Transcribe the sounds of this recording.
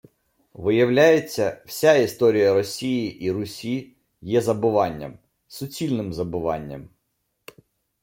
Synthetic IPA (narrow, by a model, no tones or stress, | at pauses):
ʋɪjɐwlʲajet͡sʲːɐwsʲaist̪ɔɾʲijɐɾɔsʲijiʔiɾʊsʲi | jɛzɐbʊʋɑnʲːɐ̰m | sʊt͡sʲilʲnɪmzɐbʊʋɑ̰nʲːɐ̰m